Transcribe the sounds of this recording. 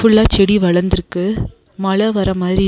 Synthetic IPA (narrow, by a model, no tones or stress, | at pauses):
fʊɭːaːt͡ʃɛɽiʋɐɭɐɾnd̪ɪɾɯkːɯ | mɐɭɐʋɐɾɐmaːðɪɾi